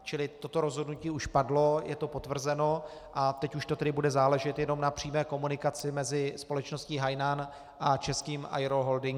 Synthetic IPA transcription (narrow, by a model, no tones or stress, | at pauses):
t͡ʃɪlɪt̪o̞t̪o̞ɾo̞zɦo̞dnuciːuʃpadlo̞jɛ̰t̪o̞po̞t̪vr̩zɛno̞ | ʔat̪ɛcuʃt̪ot̪ɛdɪbudɛzaːlɛʒɛt̪jɛno̞mnapr̥iːmɛːko̞munɪkat͡sɪmɛzɪspo̞lɛt͡ʃno̞sciːɦajnan | ʔat͡ʃɛskiːmʔa̰jɾoɦoldɪŋ